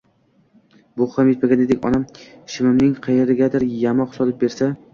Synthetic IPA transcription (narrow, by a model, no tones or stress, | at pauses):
bʊχamjet̪̚maɡʲaned̪ɪkʲɒ̰namʃɪmɪmnɪŋqʰɑjeɾɪɡʲad̪ɪɾjamɒqsɒlɪp̚be̞ɾsa